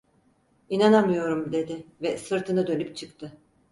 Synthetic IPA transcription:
inanamɯjo̞ɾumd̪e̞d̪ɪvɛsɯɾt̪ʰɯnɯd̪ø̞nyp̚t͡ʃʰɯkt̪ʰɯ

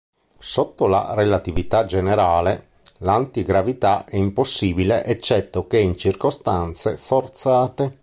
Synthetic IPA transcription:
sot̪ːola̰relat̪ivit̪ad͡ʒeneɾaːle | lant̪iɡɾavit̪aɛimposːiːbileʔet͡ʃːɛt̪ːokeint͡ʃirkost̪ant̪sḛfort̪saːt̪e

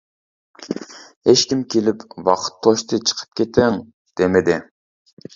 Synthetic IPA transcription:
het͡ʃkʲimkʲʰelɪpwɑqʰə̥t̪ʰːoʃt̪ʰɨt͡ʃʰə̥qʰə̥p̚kʲʰet̪ʰeŋ | d̪̥emɪd̪ɪ

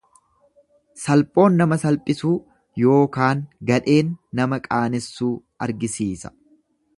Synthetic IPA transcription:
sɐlpʼo̞ːnːɐmɐsɐlpʼɪsuː | jo̞ːkaːŋɡɐᶑe̞ːnːɐmɐkʼaːnɪsːuː | ɐɾɡɪsiːsɐ̥

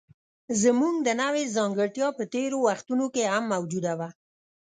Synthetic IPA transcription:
zəmuŋɡ̚d̪ənawezɑŋɡəɾt̪jɑpət̪eɾowaxt̪unokehamːawd͡ʒud̪awa

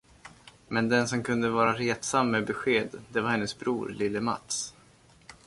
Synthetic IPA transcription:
mɛnd̪ɛnsɔmkɵnd̪əvɑːɾaɾeːt̪samːɛbɛɧeːd̪d̪ɛvaɾhɛnːəsbɾuːɾlɪlːəma̰t̪s

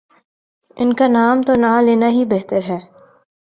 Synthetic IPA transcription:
ɪ̰nkanaːmt̪onãleːnaɦibeɦt̪əɾɦɛː

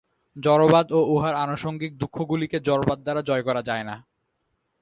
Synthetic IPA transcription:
d͡ʑɔɾobad̪ouɦaɾanoʃoŋɡik̚d̪ukʰːoɡuliked͡ʑɔɾobad̪̚ːaɾad͡ʑɔekɔɾad͡ʑaena

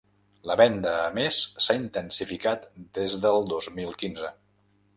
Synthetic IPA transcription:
ləβɛnd̪əːmesːaint̪ənsifikat̪d̪ezðəlˠd̪ozmilˠkinzə

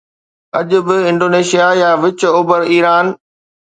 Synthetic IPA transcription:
ɐʄʊ̆bɪɪ̃ɳɖoːneːʃijajaʋɪt͡ɕoːbəɾiːɾaːn

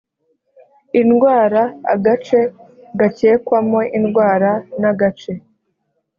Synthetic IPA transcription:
inɡwaːɾa̰ːɡat͡ʃe̞ | ɡace̞ːkwamo̞ʔinɡwaːɾanaɡat͡ʃe̞

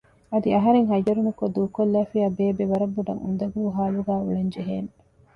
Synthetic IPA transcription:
ɐd̪iɐɦɐɾeŋɦɐjɐɾunukod̪uːkolːæːfiɐbeːbeʋɐɾɐbːuɖɐ̰ŋṵnd̪ɐɡuːɦaːluɡæːuɭɐɲd͡ʒeɦeːn

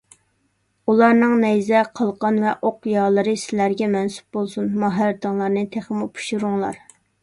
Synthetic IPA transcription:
ulˠɑɾnɨŋnɛjzɛqʰɑlˠqʰɑnvɛʔoqjɑːlˠɨɾɨsɪlæɾɡʲɛmɛnsu̥p̚bolˠsunmɑɦæɾt̪ɨŋlˠɑɾnɨt̪ʰeχmupʰu̥ʃuɾuŋlˠɑ̰ɾ

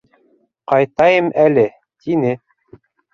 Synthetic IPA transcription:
qɑjt̪ɑjɤmʔælɘ | t̪ʰinɘ

